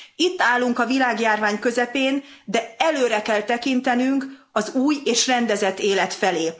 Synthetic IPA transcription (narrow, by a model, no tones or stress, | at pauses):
it̪ːaːlːuŋkɒvilaːɡjaːrvaːɲkø̞zɛpeːnd̪ɛɛløːɾɛkɛlt̪ɛkint̪ɛnyŋkɒzuːjeːʃrɛnd̪ɛzɛt̪ːeːlɛt̪fɛleː